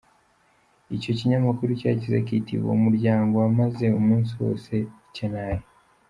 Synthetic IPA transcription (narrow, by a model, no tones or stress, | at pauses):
ico̞ciɲamakuɾuca̰ːcizekiːtḭβwo̰umuɾɟaːŋɡo̞amaze̞umuːnsiwo̞̰ːse̞ | cenaːje